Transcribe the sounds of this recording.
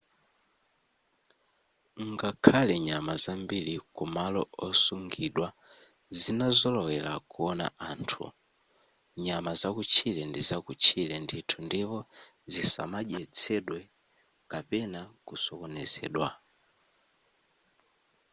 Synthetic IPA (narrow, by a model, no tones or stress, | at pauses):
ŋɡakʰalɛɲamazambilikumalɔɔsuŋɡiɗwa | zinazɔlɔwɛla̰kuɔna̰ʔaːntʰṵ | ɲamazakut͡ʃʰilɛndizakut͡ʃʰilɛnditʰundipɔ | zisa̰maʄɛt͡sʰɛɗwɛ | kapɛnakusɔkɔnɛzɛ̰ːɗwa